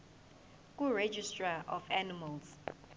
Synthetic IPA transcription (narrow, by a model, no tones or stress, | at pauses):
k̬ʼuɹed͡ʒistʼraʔɔfanimals